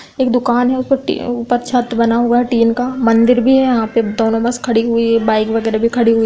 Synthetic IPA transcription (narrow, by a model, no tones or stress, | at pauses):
eːkd̪ʊkaːnɦɛʊspəʈḭʊpəɾt͡ʃʰɐt̪bɐnaɦoɡaɦɛʈiːnkamɐ̃nd̪ɪɾbʱiɦɛjɐɦãped̪oːnõbɐskʰɐɽiɦʊibaːɪkʋɐɡɛːɾebʱikʰɐɽiɦʊi